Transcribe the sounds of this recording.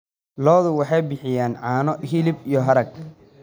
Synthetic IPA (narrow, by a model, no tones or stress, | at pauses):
lɔːðʊwɑħɑjbɪħɪjaːnʕɑːnɔɦɪlɪbijɔɦɐɾɐɡ